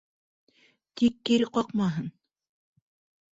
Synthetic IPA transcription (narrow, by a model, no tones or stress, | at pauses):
t̪ikːiɾɘqɑqmɑɦɤn